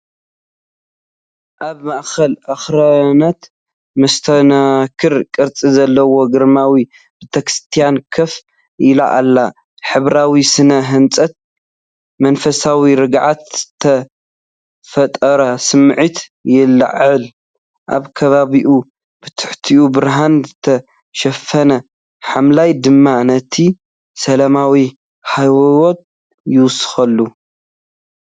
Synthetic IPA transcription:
ʔaβmaʔxɐlʔaxɾanat̪ | mɐst̪ʰɐnakʰɨɾkʼɨɾt͡sʼizɐlːɐwo̞ɡɨɾmawi | bɨt̪ʰɐkɾɨ̥st̪ʰijankʰɐf | ʔɪla̰ʔa̰lːa | ħɨβɾawisɨnɐɦɨnt͡sʼɐt̪̚ | mɐnfɐsawiɾɨɡʕat̪tʰːɐ | fɐt̪ʼɐɾɐsɨmʕit̪jɪlːa̰ʕɨl | ʔa̰βkʰɐβaβiʔu | b̥ɨt̪ʰɨ̥ħt̪ʰiʔubɨɾɦanzɨt̪ʰɐ | ʃɐfɐnɐ | ħamlajd̪ɨmːanɐt̪ʰi | sɐlamawi | hajwwot̪̚ | jɪwʊsɨ̥xɐlːu

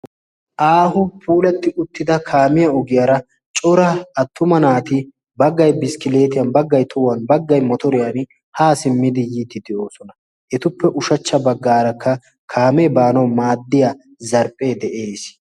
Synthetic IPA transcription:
ʔaːɦʊpʰuːlɐt̪ːɪʔʊt̪ːɪd̪ɐkʰaːmɪjɐɔɡɪjɐɾɐ | t͡ʃʼɔɾɐɐt̪ːʊmɐnaːt̪ɪ | bɐɡːɐjbɪskɪle̞ːt̪ɪjɐnbɐɡːɐjt̪ʰʊwɐnbɐɡːɐjmɔt̪ɔɾɪjan | haːsɪmːɪd̪ɪjiːt̪ːɪd̪ɛʔo̞ːsɔnɐ | ʔɛt̪ʊpːɛʔʊʃɐt͡ʃːɐbɐɡːaːɾɐkːɐ | kʰaːmɛbaːnɐwmaːd̪ːɪja | zɐɾpʼːeːd̪ɛʔeːs

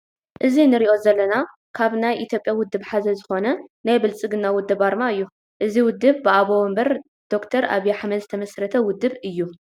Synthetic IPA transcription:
ʔɨzinɨɾiʔo̞zɐlːɐna | kʰaβnajʔit̪ʰjo̞pʼjawʊd̪ːɨβħazɐzɨxo̞nɐnajbɨlt͡sʼɨɡɨnːawʊd̪ːɨbaɾmaɨjːu | ʔɨziwʊd̪ːɨβbɨʔaβoɐmbɐɾ | d̪̥o̞kt̪ʰɐɾa̰βjaħmɐd̪zɨt̪ʰɐmɐsɾɐt̪ʰɐwʊd̪ːɨβɨjːu

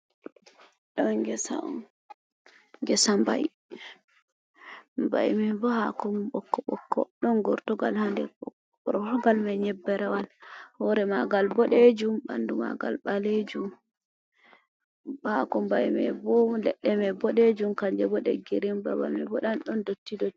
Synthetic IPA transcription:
ɗɔɡɛsa̰ɔ̰n | ŋɡɛsamba̰ji | mba̰jmɛbɔhakɔmɓɔkːɔɓɔkːɔ̰ɗɔnɡɔɾtɔɡa̰lhandɛ | ɔɾɔɡalmɛɲɛbːɛɾɛwalhɔɾɛmaɡalbɔɗed͡ʒumba̰nduma̰ɡa̰lɓaled͡ʒum | bhakɔmbajmɛ̰bɔlɛɗːɛmɛbɔɗed͡ʒumkaɲd͡ʒɛbɔɗɛ̰ɡiɾimba̰wa̰lmɛ̰bɔɗanɗɔndotːidɔ

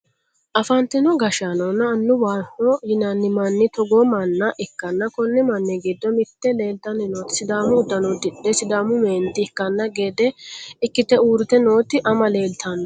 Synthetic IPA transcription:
ʔɐfɐnt̪ɪnɔɡɐʃanoːnːɐːnːʊwaːnːɔhɪnanːɪmɐnːɪt̪ɔɡoːmɐnːɐʔɪkːɐnːɐkɔnːɪmɐnːɛɡid̪ːɔmɪt̪ːɛle̞ːlt̪ɐnːɪnoːt̪ɪ̥sɪd̪aːmʊd̪ːɐnɔd̪ɪᶑːɛsɪd̪aːmʊmeːnd̪ɪɪkːɐnːɐɡeːd̪ɛɪkːɪt̪ɛuːɾɪt̪ɛno̞ːt̪ɪʔɐmɐle̞ːlt̪ɐnː

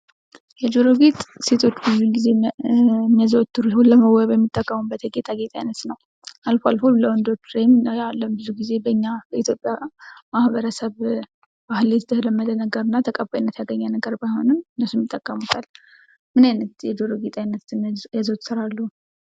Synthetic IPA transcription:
jɛd͡ʒoɾoɡet̪ʼse̞t̪ʰo̞t͡ʃːbəzulɡize̞ | mːiazəwɔt̪ːuɾuholəməwːaβjɛmːit̪ʼːəkʼːəmubət̪jɛɡet̪ʼaɡe̞t̪ʼajnət̪nəw | ʔalfoalfoləwɔnd̪o̞t͡ʃːɾejmjalːəmbɨzuɡize̞bəɨɲːabəʔit̪ʰjo̞pʼjamahbəɾəsəβ | b̥ahɨlet̪ʰd̪əhləmːəd̪ənəɡəɾɨnːat̪ʰəkʼəbajinːət̪jaɡəɲːanəɡəɾbajho̞nɨmɨnːəsːumjit̪ʼːəkʼːəmut̪ʰal | mɨnajnət̪jɛd͡ʒoɾoɡet̪ʼajnət̪jɛzəwt̪sɨɾalːuh

